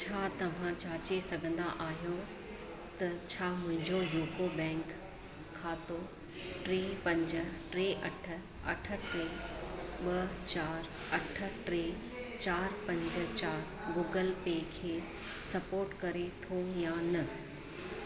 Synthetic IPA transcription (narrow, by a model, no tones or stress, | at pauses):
t͡ɕʰaːt̪ɐʋ̤ãt͡ɕaːt͡ɕesɐɡʱə̃nd̪a̰ʔaːɦjo | t̪ɐt͡ɕʰaːmʊ̃ɦɪ̃ɲd͡ʑojuːkobɛ̃ːŋkʰː | aːt̪o | ʈɾeːpɐ̃ɲd͡ʑə̆ʈɾeːʔɐʈʰə̆ | ɐʈʰə̆ʈɾeːɓɐt͡ɕaːɾ | ɐʈʰə̆ʈɾeː | t͡ɕaːɾpɐ̃ɲd͡ʑə̆t͡ɕaːɾ | ɡuːɡəlpeːkʰeː | sɐpoːɾʈkɐɾet̪ʰojanɐ